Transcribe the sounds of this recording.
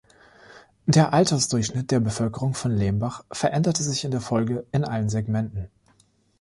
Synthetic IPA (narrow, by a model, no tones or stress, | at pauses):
d̥eːɐʔaltɐsd̥ʊɐçʃnɪt̚d̥eːɐbəfœlkəʁ̞ʊŋfɔnleːmbaχfɛɐʔɛndɐtəzɪçɪndeːɐfɔlɡəɪnʔalənzɛɡmɛntn̩